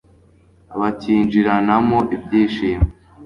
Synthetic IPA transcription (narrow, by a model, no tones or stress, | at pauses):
aβaciːnd͡ʒiɾanamoʔibɟiːʃiːme